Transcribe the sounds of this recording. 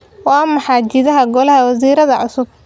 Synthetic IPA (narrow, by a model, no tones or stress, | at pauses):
wɑːmɐħaːd͡ʒɪðɐɦɐɡɔlɐɦɐwɐsiːɾɐðɐʕʊsʊb̚